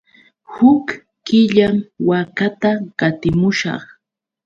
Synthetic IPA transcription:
hʊkː | ɪʎamwakat̪aɢat̪ɪmʊʃɑ̰χ

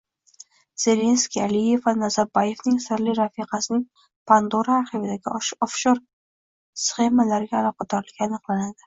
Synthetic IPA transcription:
z̥e̞le̞nskʲialije̞vanazaɾbaje̞vnɪŋsɪɾlɪɾafiqɑsɪnɪŋ | pʰand̪oɾaːɾχivɪd̪aɡʲɪɒfʃoɾ | sχe̞malaɾɪɡʲaːlˠɒq̚ʰɑd̪ɒɾlɪɡʲanɨqlˠanad̪ɪ

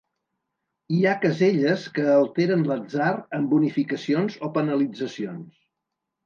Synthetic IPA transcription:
iakəzeʎəskəːlˠt̪eɾənləd͡zarəmbunifikəsionzopənəlid͡zəsions

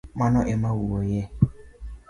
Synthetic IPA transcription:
manɔʔemawuwoje

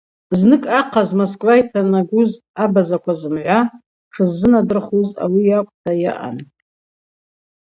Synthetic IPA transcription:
znɨkʼaqʰazmoskʼwajtʰanaɡʷuz | abazakʷʰazɨmʕʷa | ʈ͡ʂʰɨzːɨnadɨrχuza̰wijakʷʼtʰaja̰ʔa̰n

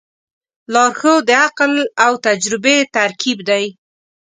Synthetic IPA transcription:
lɑɾxod̪əaqlawt̪ad͡ʒɾɪbet̪aɾkibd̪aj

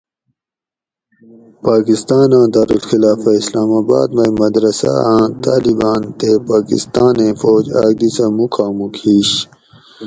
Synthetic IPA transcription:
paːkist̪aːnãːd̪aːɾulxilaːfɐislaːmaːba̰ːd̪mɐjmɐd̪ɾɐsa̰ãːt̪aːlibaːnt̪epaːkḭst̪aːnẽːfoːd͡ʑaːɡ̚d̪isɐmukʰaːmukʰiːɕ

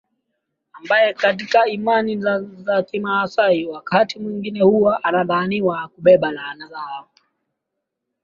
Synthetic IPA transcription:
ambajɛkatikaimanizakimaːsaiwakatimwiŋɡinɛhuwaʔanaðaːniwakuɓɛɓalaːnazaa

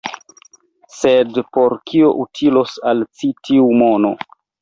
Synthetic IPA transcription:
sedpo̞ɾkʰioʔutʰilosalt͡sitʰiumono̰

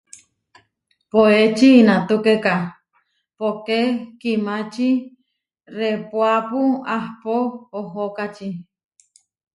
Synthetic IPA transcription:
poet͡ʃiːnãt̪ukeka | pokekimat͡ʃi | ɾepwapuahpooɦokat͡ʃi

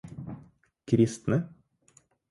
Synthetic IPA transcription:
kʰɾɪst̪nə

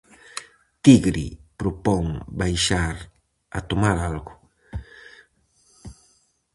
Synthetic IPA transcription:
t̪iɡɾḭpɾopoŋbajʃaɾ | at̪omaɾalɡʊ

